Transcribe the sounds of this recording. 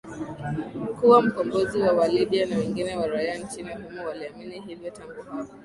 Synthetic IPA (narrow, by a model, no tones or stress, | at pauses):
m̩kuwam̩kɔmbɔziwawaliɓianawɛŋɡinɛwaɾajant͡ʃinihumɔwaliaminiɦivjɔtaŋɡuhaɔ